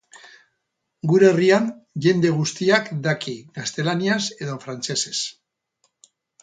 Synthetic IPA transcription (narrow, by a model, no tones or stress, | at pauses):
ɡuɾerianʝe̞nd̪e̞ɣ̞ust̪iakd̪akiɣast̪e̞laniase̞ðo̞fɾant͡se̞se̞s